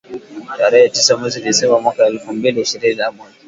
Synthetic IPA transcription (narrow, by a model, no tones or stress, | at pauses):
taːɽejatisamɐzidesɐbaːmɐkaʔalɸɐmbeːdaʃɪɾeːdaʔamʊɾki